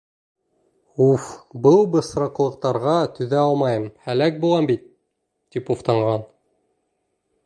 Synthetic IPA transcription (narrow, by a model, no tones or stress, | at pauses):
ufbɤlˠbɤ̆sɾɑqlˠɤ̆q̚t̪ɑɾʁɑt̪ɵ̆ðæɑlˠmɑjɤmhælæk̚bulˠɑmbit̪̚ | t̪ipuft̪ɑɴʁɑn